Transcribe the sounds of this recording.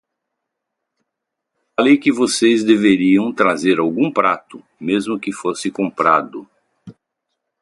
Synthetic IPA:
falejkɪvosezd̪eveɾiɐ̃w̃t̪ɾazeɾawɡũpɾa̰t̪ʊ | mezmʊkɪfosɪkõmpɾad̪ʊ

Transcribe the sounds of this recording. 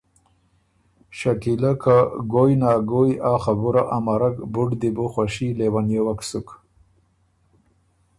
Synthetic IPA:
ʃakilakaɡojnɑːɡojaːxabuɾaʔamaɾakbʊɖd̪iboxwaʃilewanjowaksuk

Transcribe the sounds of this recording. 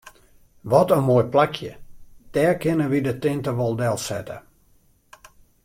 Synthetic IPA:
ʋɔtənmoːjplakʰjəd̥ɛːkɪnəʋidətɪntəʋɔlˠdɛlˠsɛ̰tə̰

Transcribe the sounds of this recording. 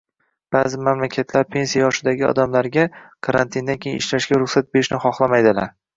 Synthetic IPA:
b̥aːzɪmamlakʲʰat̪ʰlaɾpʰe̞nsijajɒʃɪd̪aɡʲɪɒ̰d̪amlaɾɡʲakʰaɾant̪ʰind̪ankʰʲejɪ̰ɪʃlaʃɡʲaɾʊχsat̪̚beɾɪʃnɪχɒχlˠamajd̪ɪlaɾ

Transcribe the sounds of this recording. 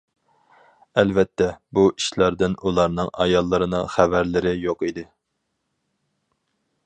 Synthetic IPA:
ɛlvɛt̪ʰːɛbuiʃlɑɾd̪ɪnulˠɑɾnɨŋɑ̰jɑlˠːɨɾɨnɨ̰ŋχævæɾlɪɾɪjoqid̪ɪ

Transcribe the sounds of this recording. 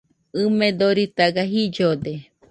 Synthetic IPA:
ɨmẽd̪oɾit̪aɡaɦid͡ʒod̪e

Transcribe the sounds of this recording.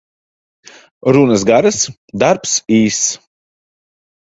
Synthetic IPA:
ɾunasɡaɾɨs | d̪aɾpsiːs

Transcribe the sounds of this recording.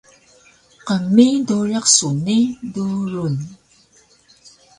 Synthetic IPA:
qəmːiduɻaqsuniduɾun

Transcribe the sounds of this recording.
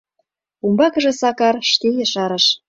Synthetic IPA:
umbɑkɤ̆ʒĕsɑkɑrʃt̪ejə̆ʃɑɾə̆ʃ

